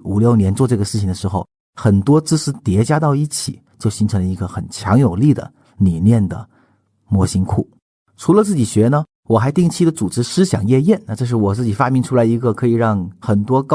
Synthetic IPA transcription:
u˨˩ljo˥˩ʊnjɛ˧˥nt͡swɔ˥˧ʈ͡ʂɤ˥˩ɡə˩ʂɻ̩˥˩t͡ɕʰi˨˩ŋd̪ə˩ʂɻ̩˧˥xo˧ʊ | xə˨˩nt̪wɔ˥t͡sɹ̩˥ʂɹ̩˥t̪jɛ˧˥t͡ɕja˥t̪ɑ˥˧ʊi˥˩t͡ɕʰḭ˨˩˦ | t͡ɕjo˥˩ʊɕi˧˥ŋʈ͡ʂʰɤ˧˥ŋlə˧i˧˥ɡə˧xə˨˩nt͡ɕʰjɑ˧˥ŋjo˨˩ʊli˥˩d̪ə̰˩ | li˨˩njɛ˥˩nd̪ə̰˩ | mwɔ˧˥ɕi˥ŋkʰu˥˩ | ʈ͡ʂʰu˧˥lə˧t͡sɹ̩˥˩t͡ɕi˨˩ɕɥɛ˧˥nə˧ | wɔ˨˩xa˧˥ɪt̪i˥˧ŋt͡ɕʰi˥d̪ə˨t͡su˨˩ʈ͡ʂɻ̩˧˥ʂɹ̩˥ɕjɑ̰˨˩ŋjɛ˥˧jɛ˥˩nna˥˧ʈ͡ʂɤ˥˧ʂ̬ɻ̩˥˩wɔ˨˩t͡sɹ̩˥˩t͡ɕi˨˩fa˥mi˧˥ŋʈ͡ʂʰu˥la˧˥ɪi˧˥ɡə˧kʰɤ˧˥i˨˩ɻɑ˥˩ŋxə˨˩nt̪wɔ˥k

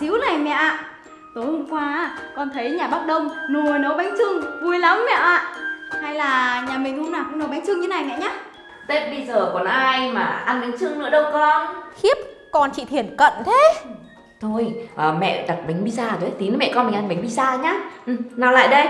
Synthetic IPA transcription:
zi˨˦wna˨˩jmɛ̰˧˨ʔaː˧˨ | t̪o˨˦jho˧ŋ͡mkwaː˧˩kɔ˧nt̪ʰə˨˦jɲaː˨˩ɓaː˦˥k̚ɗə˧wŋ͡mno˨˩jno˨˦ɓa˨˦jŋ̟t͡ɕɨ˧ŋvu˧əjla˨˦mːɛ̰˧˨ʔaː˧˨ha˧jlaː˨˩ɲaː˨˩mï˨˩ŋ̟hə˧wŋ͡mnaː˨˩kŋno˨˦ɓa˨˦jŋt͡ɕɨ˧ŋɲɨ˧˨˦na˨˩jmɛ̰˧˨ɲaː˨˦ | t̪e˦˥t̚ɓə˧jzəː˨˩kɔ˨˩nʔaː˧jmaː˨˩ʔa˧nɓa˨˦jŋ̟t͡ɕɨ˧ŋnɨ̰˧˥əɗə˧wkɔ˧xi˦˥əp̚ | kɔ˧nt͡ɕḭ˧˨t̪ʰi˨˩ənkə̰˧˨nt̪ʰe˨˦ | t̪ʰo˧jʔəː˨˩mɛ̰˧˨ɗa˨˩t̚ɓa˨˦jŋ̟ɓi˧zaː˧t̪o˨˦t̪ʰi˨˦nə˨˦mɛ̰˧˨kɔ˧nmï˨˩ŋʔa˧nɓa˨˦ŋ̟ɓi˧˦zaː˧ɲaː˨˦ʔ̩˨˩naː˨˩la̰ː˧˨jɗə˧j

